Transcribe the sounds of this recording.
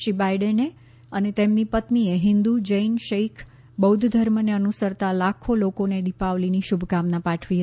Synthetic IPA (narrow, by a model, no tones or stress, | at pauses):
ʃɾibajɖene | ənet̪emnipət̪nieɦɪnd̪ud͡ʒəinʃeikʰ | bəud̪ʱd̪ʱəɾməneənusəɾt̪alakʰolokoned̪ipaʋliniʃubʱɡamnapaʈʰʋiɦət̪i